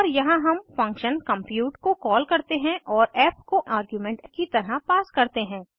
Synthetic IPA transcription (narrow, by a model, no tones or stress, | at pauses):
ɔːɾjɐɦãɦɐmfɐ̃ŋkʃənkɐ̃mpjuːʈkokɔːlkɐɾt̪eɦɛ̃ʔɔːɾɛːpkoʔaːɾɡjuːmɛ̃ːɳʈkit̪ɐɾapaːskɐɾt̪eɦɛ̃ː